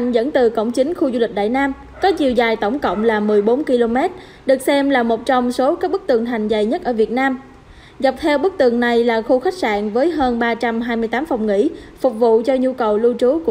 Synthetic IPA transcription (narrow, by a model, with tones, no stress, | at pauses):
ŋ̟zə̰˧˥nt̪ɨ˨˩kə̰˧˩wŋ͡mt͡ɕï˨˦ŋ̟xu˧zu˧li˨˩k̚ɗa̰ː˧˨jnaː˧m | kɔ˨˦t͡ɕi˨˩əwzaː˨˩jt̪ə˧˩wŋ͡mkə̰˧˨wŋ͡mlaː˨˩mɨ˨˩əjɓo˨˦nki˧lo˧mɛ˦˥t̚ | ɗɨ˨˩ək̚sɛ˧mlaː˨˩mo˨˩t̚t͡ɕɔ˧wŋ͡mso˨˦kaː˦˥k̚ɓɨ˦˥k̚t̪ɨ˨˩əŋt̪ʰa˨˩jŋ̟za˨˩jɲə˦˥t̚ʔəː˧˩vi˨˩ət̚naː˧m | ɣa˨˩p̚t̪ʰɛ˧wɓɨ˦˥k̚t̪ɨ˨˩əŋna˨˩jlaː˨˩xu˧xa˦˥k̚sa̰ː˧˨nvəː˨˦jɦəː˧nɓaː˧t͡ɕa˧mɦaː˧jmɨ˧jt̪aː˨˦mfɔ˨˩wŋ͡mŋḭ˧˥fʊ˨˩k͡p̚vṵ˧˨t͡ɕɔ˧ɲu˧kə˨˩wlu˧t͡ɕu˨˦k